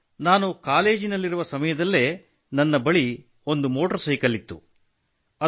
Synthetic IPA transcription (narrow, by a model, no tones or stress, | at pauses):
naːnukaːle̞ːd͡ʒinɐlːiɾuʋɐsɐmɐjɐd̪ɐlːe̞ | nɐnːɐbɐɭi | o̞nd̪umo̞ːʈɐɾsɐjkɐlit̪ːṵ | ɐ